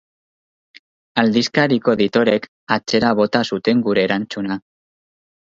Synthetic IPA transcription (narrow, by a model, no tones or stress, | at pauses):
ald̪iskaɾiko̞ðit̪o̞ɾe̞k | at͡se̞ɾaβ̞o̞t̪asut̪e̞ŋɡuɾe̞ːɾant͡suna